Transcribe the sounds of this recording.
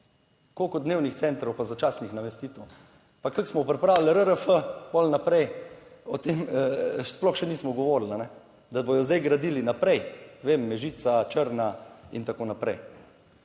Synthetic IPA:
kokɔd̪newnixt̪sɛnt̪ɾɔwpazat͡ʃasnixnamɛst̪iːt̪əw | pakaksmɔpɾɛpɾawilɾəɾəfəpɔlnapɾɛjɔt̪emsplɔxʃɛniːsmɔɡɔʋoːɾlanɛ | d̪abɔjɔzd̪ajɡɾad̪ilinapɾɛjʋemːɛʒiːt̪sat͡ʃəɾnaḭnt̪akoːnapɾɛj

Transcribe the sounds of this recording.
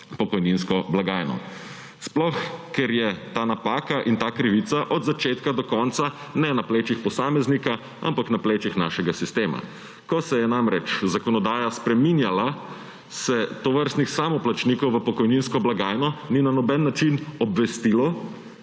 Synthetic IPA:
pɔkɔjninskɔblaɡaːjnɔ̰ | splɔxkɛɾjɛt̪aːnapaːkaʔint̪aːkɾiʋit̪saʔɔd̪zat͡ʃeːt̪kad̪ɔkɔnt̪sa | nɛnapleːt͡ʃixpɔsaːmɛznika | a̰mpaknapleːt͡ʃixna̰ːʃɛɡasist̪eːma̰ | kɔsɛjɛnaːmɾɛt͡ʃzakɔnɔd̪aːjaspɾɛminjala | sɛt̪ɔʋəɾst̪nixsamɔplat͡ʃniːkɔwʋəpɔkɔjninskɔblaɡaːjnɔninanɔbɛnːat͡ʃinɔbʋɛst̪ilɔ

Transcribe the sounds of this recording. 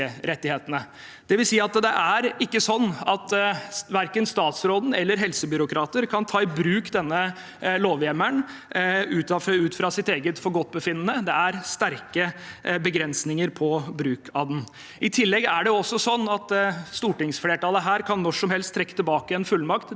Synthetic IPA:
əɾɛt̪ːɪheːt̪ənə | d̪̥ɛʋɪlsiːɑt̪d̪ɛʔæɾɪkːəsɔnːɑt̪ʋæɾkənst̪ɑːt̪sɾoːd̪n̩ɛlːəɾɦɛlsəbʏɾʊkʰɾɑːt̪əɾkʰɑnt̪ʰɑːɪbɾʉːkd̪ɛnːə | loːʋjɛmːəɳ | ʉːt̪ɑfʉːt̪fɾɑsɪt̪eːɡət̪fɔɾɡɔt̪̚ːbəfɪnːənəd̪ɛæɾst̪æɾkəbəɡɾɛnsnɪŋəɾpʰɔbɾʉːkʰɑd̪n̩ | ɪt̪ʰɪlːɛɡæɖɛʊɔsːɔsɔnːɑt̪st̪uːʈɪŋsfleːʈɑːləɦæːɾkʰɑnːɔʂɔmhɛlst̪ʰːɾɛkːə̥t̪ɪlbɑːkəɛnfʉlːmɑkt̪

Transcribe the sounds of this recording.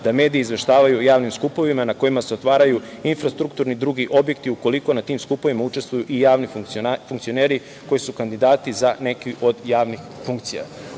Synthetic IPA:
d̪ame̞ːd̪ijeizʋe̞ʃt̪aːʋajujaːʋnimskupo̞ʋimanako̞jimase̞o̞t̪ʋaːɾaju | infɾast̪ɾukt̪uɾnid̪ɾuːɡiʔo̞bje̞kt̪iuko̞liko̞nat̪iːmskupo̞ʋimaut͡ʃe̞st̪ʋujuʔijaːʋnifufuŋkt̪sio̞ne̞ːɾi | ko̞jisukand̪id̪aːt̪izane̞kiʔo̞d̪jaːʋnixfuŋkt̪sija̰

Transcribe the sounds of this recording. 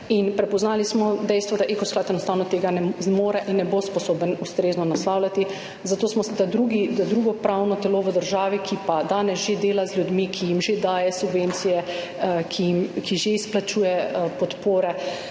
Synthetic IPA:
inpɾɛpɔznaːlismɔd̪ɛjst̪ʋɔd̪aʔekɔsklaːt̪ɛnɔst̪aːwnɔt̪eːɡanɛmoːɾɛʔinːɛbospɔsoːbənust̪ɾeznɔnaslaːwlʲat̪i | zat̪oːsmɔst̪ad̪ɾuɡid̪ad̪ɾuːɡɔpɾawnɔt̪ɛloːʋəd̪əɾʒaːʋikʰipad̪aːnɛsʒed̪eːlazljud̪mikʰijimʒed̪aːjɛsubʋeːnt̪sijɛ | kʰijimkiʒeisplat͡ʃuːjɛəpɔt̪poːɾɛ

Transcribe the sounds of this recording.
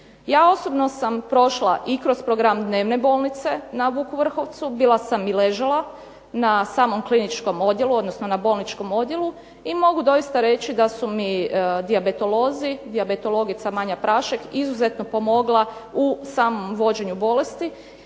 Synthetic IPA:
jaːo̞so̞bno̞sampɾo̞ʃlˠaʔikɾo̞spɾoɡɾamd̪ne̞ːʋne̞bo̞lˠnit̪se̞naʋukuʋr̩xo̞ʋt̪subilˠasamileʒalˠa | nasaːmo̞mklinit͡ʃko̞mo̞d̪je̞luo̞d̪nosnonabo̞lˠnit͡ʃko̞mo̞d̪je̞lu | imo̞ɡud̪o̞ist̪aɾe̞t͡ɕid̪asumid̪iabet̪o̞lo̞ːzid̪iabet̪o̞lˠo̞ɡit̪samaɲapɾʔaːʃekizuzet̪nopo̞mo̞ɡlˠausaːmomʋo̞d͡ʑe̞ɲubo̞le̞st̪i

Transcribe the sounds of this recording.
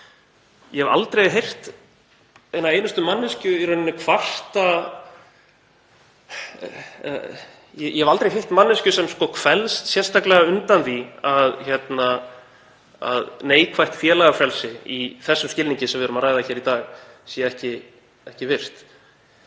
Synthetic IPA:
jɛhɛva̰lt̪ɾejɦejr̥t̪ | ejnavejnʏst̪ʏmanːɪscʏiɾœnɪnːɪkʰvar̥t̪a | jɛjʔɛhɛvalt̪ɾejɦejr̥t̪manːɪscʏsɛmskɔkʰvɛlst̪sjɛrst̪aklɛɣaʏnt̪anθiaðçɛt̪na | a̰ðneːjkʰvajht̪fjɛːlaɣafɾɛlsɪiθɛsːʏmscɪlniɲcɪsɛmvɪðɾʏmaɾaːjðaçɛːɾit̪aːɣsɛɛhcɪ | ɛhcɪvɪr̥t̪

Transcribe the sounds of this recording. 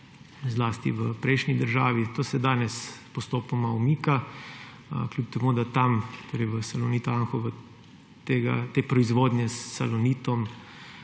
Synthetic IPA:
zlaːst̪ḭʋəpɾɛɪʃnid̪əɾʒaːʋit̪oːsɛd̪aːnɛspɔst̪oːpɔmaumiːka | klʲuːp̚t̪ɛmuːd̪at̪amt̪oːɾɛjʋəsalɔniːt̪ɔaŋxɔʋə | t̪eːɡa̰t̪eːpɾɔizʋoːd̪njɛsːalɔniːt̪ɔm

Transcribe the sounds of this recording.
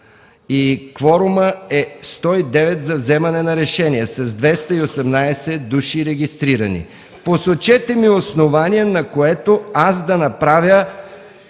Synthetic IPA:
ikvɔɾuməɛst̪ɔid̪ɛvɛt̪zɐvzɛmɐnɛnɐɾɛʃɛniɛsɐzd̪vɛst̪ɐiosɛmnajsɛd̪uʃiɾɛɡist̪ɾiɾɐnḭ | posot͡ʃɛt̪ɛmiosnovaniɛnɐkoɛt̪oasd̪ɐnɐpɾavʲjə

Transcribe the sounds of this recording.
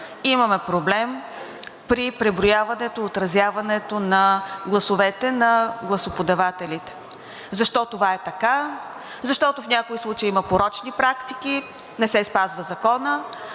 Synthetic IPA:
imɐmɛpɾoblɛm | pɾipɾɛbɾojavɐnɛt̪oiot̪ɾɐzʲjavɐnɛt̪onɐɡlˠɐsovɛt̪ɛnɐɡlˠɐsopod̪ɐvat̪ɛlit̪ɛ̥ | zɐʃt̪ɔt̪ovaɛt̪ɐka | zɐʃt̪ɔt̪ofnʲakoislˠut͡ʃəjimɐpoɾɔt͡ʃnipɾakt̪iki | nɛsɛspazvəzɐkɔnə

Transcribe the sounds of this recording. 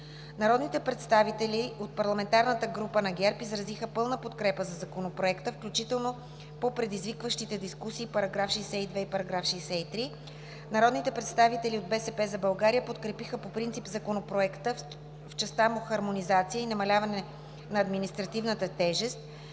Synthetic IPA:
nɐɾɔd̪nit̪ɛpɾɛt̪st̪avit̪ɛlʲiot̪̚pɐɾlˠɐmɛnt̪aɾnət̪əɡɾupənɐɡʲɛɾpizɾɐzixəpɤlˠnəpot̪kɾɛpəzɐzɐkonopɾoɛkt̪əfklʲut͡ʃit̪ɛlˠno | popɾɛd̪izvikvəʃt̪it̪ɛd̪iskusiːpɐɾɐɡɾafʃisɛid̪vɛipɐɾɐɡɾafʃisɛit̪ɾi | nɐɾɔd̪nit̪ɛpɾɛt̪st̪avit̪ɛlʲiod̪̚bɛsɛpɛzɐbɐlˠɡaɾijəpot̪kɾɛpixəpopɾint̪sipzɐkonopɾoɛkt̪ə | ft͡ʃɛst̪amuxɐɾmonizat̪sijəinɐmɐlʲavɐnɛ | nɐːd̪minist̪ɾɐt̪ivnət̪ət̪ɛʒɛst̪̚

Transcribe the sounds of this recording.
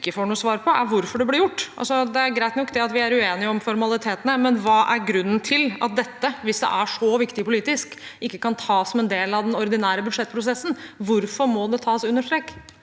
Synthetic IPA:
kːəfoːɳuːəsʋɑːɾpʰɔʔæɾʋʊɾfɔɖɛblɪɾjʊʈːɑ̰lsɔd̪ɛæɾɡɾæɪt̪nɔkːd̪ɛɑt̪ʋɪæɾʉeːnɪəɔmfɔɾmɑlɪt̪ʰeːt̪ənəmɛnʋɑːʔæɾɡɾʉnːənt̪ʰɪlɑ̰t̪̚d̪ɛt̪ːəʋɪsd̪ɛ̰ʔæʂɔʋɪkt̪ɪpʊliːt̪ɪskɪkːəkɑnt̪ʰɑːsɔmɛnd̪eːlɑʋd̪ɛnɔɾd̪ɪnæːɾəbʉd̪ʂɛt̪ːpʰɾʊs̬ɛsːn̩ʋʊɾfɔɾmɔd̪ɛt̪ʰɑːsʉnːəʂʈ̪ɾɛːkː

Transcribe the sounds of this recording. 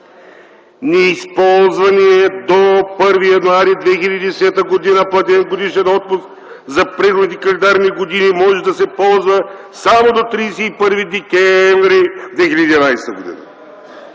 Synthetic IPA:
nɛispɔlˠzvɐniɛd̪opɤɾvijɐnuaɾid̪vɛxilʲɐd̪id̪ɛsɛt̪əɡod̪inəplˠɐt̪ʲɛnɡod̪iʃɛnɔt̪̚pʊsk | zɐpɾɛxod̪nikɐlɛnd̪aɾniɡod̪inimɔʒɛd̪ɐsɛpɔlˠzvə | samod̪ot̪ɾiːsɛipəɾvid̪ɛkʲɛɱvɾid̪vɛxiləd̪id̪ʲinajsɛt̪əɡod̪ḭnə̰

